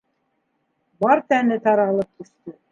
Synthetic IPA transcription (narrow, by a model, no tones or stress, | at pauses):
bɑɾt̪ænɘt̪ɑɾɑlˠɤp̚t̪ɵ̆st̪ɵ